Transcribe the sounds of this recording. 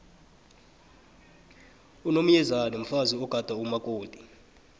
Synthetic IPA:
unom̩jɛzanim̩faziɔɡ̥ʱad̥ʱaumakʼoːd̥ʱi̥

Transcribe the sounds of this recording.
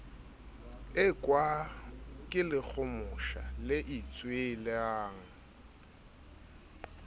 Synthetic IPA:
ɪkʼwa | kʼɪlɪk͡xʰʊmʊʃa̰lɪʔit͡sʼwelɪaːŋ̩

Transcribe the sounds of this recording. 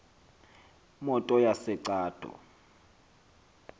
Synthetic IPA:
mɔtʼɔjasɛǀaːd̥ʱɔ̰

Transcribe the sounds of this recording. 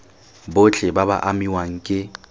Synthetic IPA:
bʊt͡ɬʼɪbaba̰ʔamiwaŋ̩kʼɪ

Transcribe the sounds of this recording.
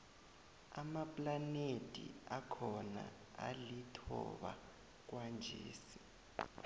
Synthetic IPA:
amapʼlanetʼḭakʰɔna | alitʰɔ̰ɓa̰ | k̬wand͡ʒʱeːsi̥

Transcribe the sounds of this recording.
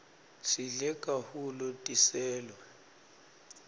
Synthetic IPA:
ʃilɛkʼahulɔtʼisɛːlwɛ

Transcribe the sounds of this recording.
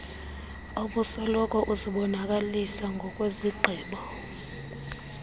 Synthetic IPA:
oɓusɔlɔkʼɔʔuziɓɔnakʼalisaŋɡʱɔkʼweziɡ͡ǃʱiːɓɔ

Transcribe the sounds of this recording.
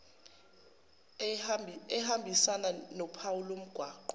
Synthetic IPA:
ɛɦambʱisananɔpʰawulom̩ɡ̥ʱwaːǃɔ

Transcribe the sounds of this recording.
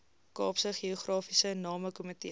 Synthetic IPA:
kɑːpsəχiuχrɑːfisənɑːməkɔmətḭ

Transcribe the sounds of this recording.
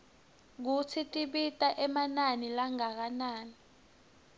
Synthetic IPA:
k̬ut͡sʰitʼiɓitʼaʔɛmananilaŋak̬anaːni

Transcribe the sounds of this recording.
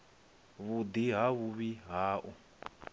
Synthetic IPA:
βud̪iɦaβuβiɦaːʔu

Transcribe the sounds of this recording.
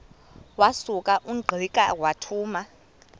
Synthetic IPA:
wasukʼaʔuɡ͡ǃʱikʼawatʰuːma

